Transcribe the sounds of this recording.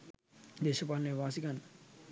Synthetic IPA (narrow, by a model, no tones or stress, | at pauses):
d̪eːʃɐpaːlɐneːʋaːsikanːə